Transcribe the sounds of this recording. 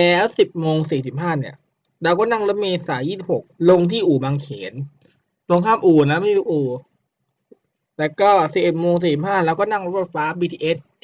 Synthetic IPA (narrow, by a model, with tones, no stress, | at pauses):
lɛː˨˦˥wsi˨˩p̚moː˧ŋsiː˨˦s̬i˨˩p̚haː˥˩ni˦˥˩ɐ | ɾɛː˦˥wkɔː˥˩na˥˩ŋlo˦˥t̪̚meː˧saː˩˦jiː˥˩si˨˩p̚ho˨˩k̚lo˧ŋt̪ʰiː˥˩ʔuː˨˩baː˧ŋkʰeː˩˦n | t̪o˧ŋkʰaː˥˩mʔuː˨˩na˦˥ma˥˩i˥˨t̪uː˦˥˩ʔuː˨˩ | lɛː˦˥wkɔː˥˩si˨˩p̚ʔe˨˩t̪̚moː˧ŋsiː˨˩˦si˨˩p̚haː˥˩lɛː˦˥wkɔ˥˩na˥˩ŋɾo˦˥bo˨˧˩t̪̚faː˦˥biː˧t̪ʰiː˧ʔe˦˥t̪̚